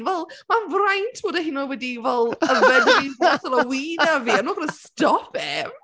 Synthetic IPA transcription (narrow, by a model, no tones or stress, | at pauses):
vɛlˠmavrajntʰboːdahinɔwɛdivɛlˠəvɛdiatɔlˠaəwiːnaviːanuːɡɾəstɔpʰɛv